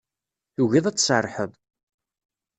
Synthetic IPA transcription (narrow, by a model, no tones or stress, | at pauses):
θuʝiðˤæt͡sːsərˤħəðˤ